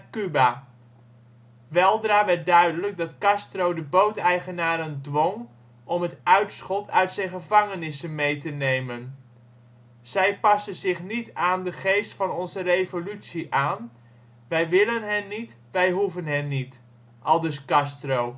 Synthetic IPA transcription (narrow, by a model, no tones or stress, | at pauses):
kyba | ʋɛlˠdraːʋɛrt̚dœɥdələɡ̚dɑtkɑstrowdəbowtɛjχənaːɾəndʋɔŋ | ʔɔmɦətœɥtsχɔtʰœɥtsɛjnχəvɑŋənɪsənmejtənejmən | z̥ɛjpɑsənzɪχnitaːndəχejstfɑnɔnzərejvolytsiʔaːn | ʋɛjʋɪlənɦənːit | ʋɛjɦuvənɦɛnːit | ʔɑlˠdəskɑstrow